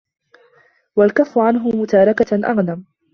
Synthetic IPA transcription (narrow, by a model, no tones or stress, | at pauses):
walkafːʊʕanɦʊmʊt̪aːɾˤɑkaʔa̰ɣnam